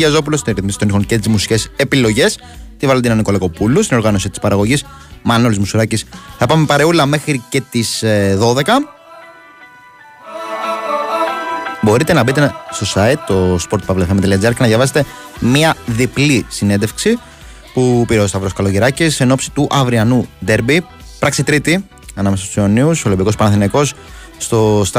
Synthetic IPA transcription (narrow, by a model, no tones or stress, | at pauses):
ʝɐzo̞p̬ulost̪inɾiθmisi̥t̪o̞nixoncet̪izmusi̥ce̞se̞pilo̞ʝe̞s | t̪ivɐld̪inɐniko̞leko̞pulust̪inoɾɣɐno̞sit̪i̥spɐɾɐɣo̞ʝismɐnolizmusuɾɐcisθɐpɐmepɐɾeulɐmexɾice̞t̪isðo̞ðe̞kɐ | bo̞ɾit̪e̞nɐbit̪est̪o̞sɐit̪ːo̞spoɾt̪̚pɐvlefemt̪eliɐd͡ziɐɾknɐðjɐvɐset̪e̞ | miɐðiplisine̞nd̪efksi | pupiɾeost̪ɐvɾo̞skɐlo̞ʝiɾɐcise̞no̞psi̥t̪uʔɐvɾiɐnud̪e̞ɾbi | pɾɐkset̪ɾit̪i | ɐnɐmesɐst̪usioniusolimbiko̞spɐnɐθinɐko̞sː | t̪o̞st̪